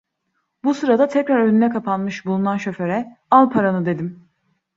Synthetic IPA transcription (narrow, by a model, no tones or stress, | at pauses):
busɯɾad̪at̪ʰɛcɾaɾønynɛkʰapʰanmɯʃbulˠunanʃø̞fø̞ɾɛalˠpʰaɾanɯd̪e̞d̪im